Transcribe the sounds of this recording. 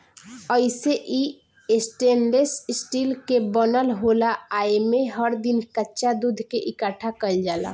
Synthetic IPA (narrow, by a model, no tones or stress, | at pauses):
əɪseʔi | esʈeɳɖessʈilkebənəlɦolaaemeɦəɾd̪inkətːʃad̪ud̪ʱkeʔikəʈʰakəld͡ʒaːla̰